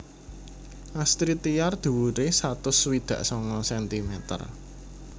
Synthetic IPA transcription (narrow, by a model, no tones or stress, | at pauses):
ʔast̪ɾit̪ijard̪̥ṳwuɾesat̪ʊswid̪̥ä̤ʔsɔŋɔsɛnt̪imɛt̪ə̰r